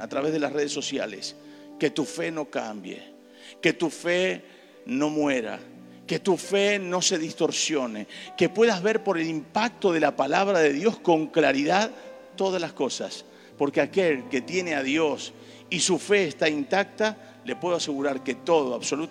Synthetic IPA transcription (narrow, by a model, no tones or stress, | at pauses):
a̰t̪ɾaβe̞zð̞elasre̞ð̞esːosja̰lḛs | ke̞t̪ufe̞no̞kambjḛ | ke̞t̪ufe | no̞mweɾa̰ | ke̞t̪ufeno̞se̞ðist̪o̞ɾsjo̞neke̞pwe̞ðazβe̞ɾpo̞ɾe̞limpak̚t̪o̞ð̞e̞lapalaβ̞ɾaðe̞ðjo̞sko̞ŋklaɾiðað | t̪o̞ð̞aslasko̞sa̰s | po̞ɾkeake̞lke̞t̪je̞neaðjo̞s | isufe̞ːst̪aint̪ak̚t̪a | le̞pwe̞ðoase̞ɣuɾaɾke̞t̪o̞ð̞oaβso̞lu